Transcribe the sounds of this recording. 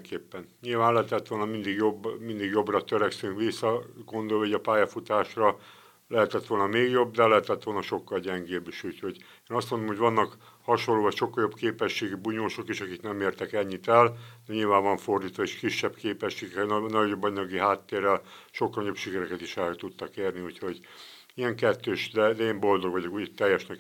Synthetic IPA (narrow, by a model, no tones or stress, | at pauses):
ŋkeːpːɛnɲilvaːnlɛɦɛt̪ɛt̪ʋo̞lnɒmind̪iɡjo̞bːmind̪iɡjo̞brɒt̪øɾɛksyŋkʋisːɒɡo̞nd̪oliɟɒpaːjɒfut̪aːʃrɒ | lɛɦɛt̪ɛt̪ʋo̞lnɒmeːɡjo̞bd̪ɛlɛɦɛt̪ɛt̪ʋo̞lnɒʃo̞kːɒlɟɛŋɡeːbːiʃuːcho̞ɟ | eːnɒst̪mo̞nd̪omɦoɟʋɒnːɒk | hɒʃonlːoːvɒcʃo̞kːɒljobkeːpɛʃːeːɡibuɲoːʃo̞kiʃɒkiknɛmeːrt̪ɛkɛɲːit̪ɛld̪ɛɲilvaːɱvɒɱfo̞rd̪iːt̪ʋɒeːʃkiʃːɛbkeːpɛʃːeːɡɛkrɛnnɒɟo̞bːɒɲɒɡiɦaːt̪ːeːrːɛlʃo̞kːɒlnɔjo̞pʃikɛɾɛkɛt̪iʃɛɾt̪ut̪ːɒkeːrniuːcho̞ɟ | iɛŋkɛt̪ːøːʃd̪ɛd̪ɛeːmbo̞ld̪o̞ɡʋɒɟokuɟt̪ɛjːɛʃnɛk